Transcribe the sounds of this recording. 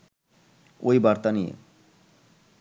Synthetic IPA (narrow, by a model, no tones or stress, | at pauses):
ojbaɾt̪anijḛ